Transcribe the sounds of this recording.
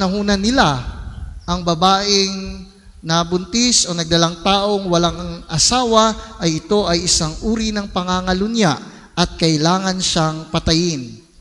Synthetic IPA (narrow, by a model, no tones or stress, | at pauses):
nɐɦuːnɐnɪla | ʔɐŋbɐbaːʔɪŋ | nɐbʊnt̪ɪsʔo̞nɐɡ̚d̪ɐlaŋt̪aːʔo̞ŋwɐlaŋɐŋʔɐsaːwɐʔɐjɪt̪o̞ʔɐjʔɪsaŋʔuːɾinɐŋpɐŋaŋɐlʊnjaʔ | ʔɐt̪̚kɐʔɪlaːŋɐnʃaŋpɐt̪ɐjɪn